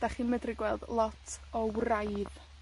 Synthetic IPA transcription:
d̥aχiːnmədrɪɡwɛlˠdlˠɔtʰɔwrajð

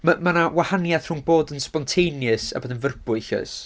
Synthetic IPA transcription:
məmanawahanjaðr̥unboːdənspɔntʰejnjɨsa̰boːðənvərbʊɨɬə̰s

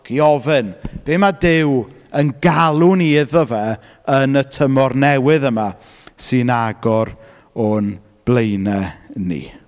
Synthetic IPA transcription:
kiɔvɨnb̥eːmadɪw | ənɡalˠʊniɪðɔvɛ | ənətʰəmɔrnɛwɨðəma | sɨnaɡɔɾ | ɔn | b̥lˠejnɛnḭ

